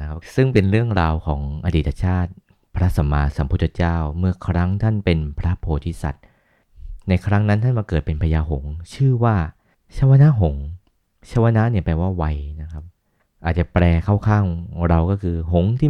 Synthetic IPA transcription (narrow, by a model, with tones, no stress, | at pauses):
kʰa˦˥sɯ˥˩ŋpe˧nɾɯ˥˩əŋɾaː˧wkʰɔː˩˦ŋʔa˧diː˨˩t̪ʰːa˧˦t͡ɕʰaː˥˩t̪̚ | pʰɾa˦˥sa˩˦mːaː˧sa˩˦mpʰu˦˥t̪ʰːa˧˦t͡ɕaː˥˩wmɯ˥˩ɐkʰɾa˦˥ŋt̪ʰa˥˩npe˧npʰɾa˦˥pʰoː˧˩t̪ʰi˦˥sa̰˨˩t̪̚ | na˧jkʰɾa˦˥ŋna˦˥nt̪ʰa˥˩nmaː˧kɤː˨˩t̪̚pe˧npʰa˧jaː˧ɦo˩˦ŋt͡ɕʰɯː˥˩waː˥˩ | t͡ɕʰa˦˧˥wa˧na˦˥ɦo˩˦ŋ | t͡ɕʰa˦˧˥wa˧na˦˥ʔni˥˩ɐpɛː˧waː˥˩wa˧jna˦˥kʰa˦˥p̚ | ʔaː˨˩t̪̚t͡ɕa˨˩pɾɛː˧kʰa˥˩wkʰaː˥˩ŋɾa˧wkɔː˥˩kʰɯː˧ɦo˩˦ŋt̪ʰiː˥˩